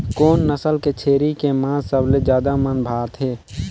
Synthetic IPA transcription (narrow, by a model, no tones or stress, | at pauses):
koːnːəsəlket͡ʃʰeːɾikemãsəbled͡ʒjaːd̪amənbʱaːt̪ɦeː